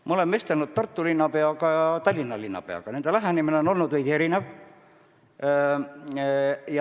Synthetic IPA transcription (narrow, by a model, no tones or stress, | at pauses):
mʔɑolemːest̪elnut̪̚t̪ɑrt̪ːulinːɑpe̞ɑɡɑjɑt̪ɑlʲːinːɑlʲinːɑ̰pe̞̰ɑ̰ɡ̥ɑne̞nd̪elæɦænʲimineo̞no̞lnud̪ʋejd̥̪ʲie̞ɾinev | jɑ